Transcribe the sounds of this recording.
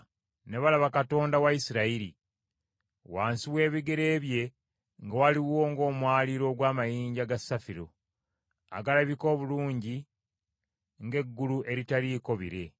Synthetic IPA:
ne̞βalaβakato̞ːndawaisiɾaiɾḭ | waːnsiwe̞ːβiɡe̞ɾe̞ːβje̞ | ŋɡawaliwo̞ːŋɡo̞ːmwaːliɾo̞ːɡwaːmajiːɲɟaɡasːafiɾo̰ | a̰ɡalaβiko̞ːβuluːɲɟi | ŋɡe̞ɡːuluʔe̞ɾitaliːko̞βiɾe̞

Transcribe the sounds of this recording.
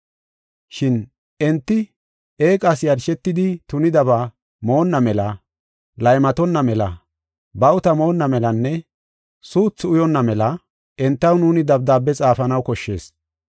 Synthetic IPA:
ʃɪn | ɛnt̪ːɪ | e̞ːkʼɐsjɐɾʃɛt̪ːɪd̪ɪt̪ʊnɪd̪ɐba | mo̞ːnːɐmɛlɐ | lɐjmɐt̪ɔnːɐmɛlɐ̰ | bɐwʊt̪ɐmo̞ːnːɐmɛlɐnːɛ | suːt͡sːʊjɔnːɐmɛlɐ | ʔɛnt̪ːɐwnuːnɪd̪ɐbd̪aːbːɛt͡sʼaːfɐnɐwkɔʃːe̞̰ːs

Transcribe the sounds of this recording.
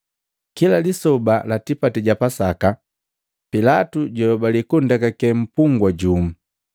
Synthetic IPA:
kilalisɔbalatipatiɟapasaka | pilatuɟɔɔbalikundakakɛm̩puŋɡwaɟum̩

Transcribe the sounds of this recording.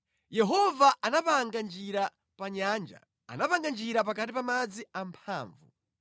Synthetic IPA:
jɛɦɔvaʔanapaŋɡand͡ʒiɾa | paɲand͡ʒa̰ | a̰napaŋɡand͡ʒiɾapakatipamad͡ziampʰaːɱvṵ

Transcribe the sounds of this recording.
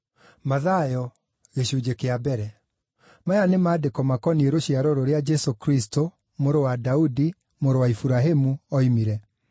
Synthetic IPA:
maðajɔ | ɣeɕud͡ʑekeabɛɾɛ | majanemaːdekɔmakɔnieɾoɕiaɾɔɾoɾead͡ʒɛsokɾisto | moɾowadaudi | moɾowaifuɾaɦemuɔimiɾɛ

